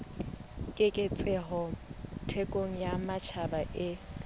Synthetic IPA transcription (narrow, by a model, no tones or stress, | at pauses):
kʼɪkʼet͡sʼɛɦɔtʰekʼoŋ̩jamat͡ʃʰabaʔɪ